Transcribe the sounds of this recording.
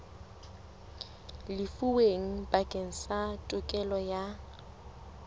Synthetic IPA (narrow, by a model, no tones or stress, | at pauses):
lɪfuweŋ̩bʼakʼeŋ̩satʼʊkʼɛlɔja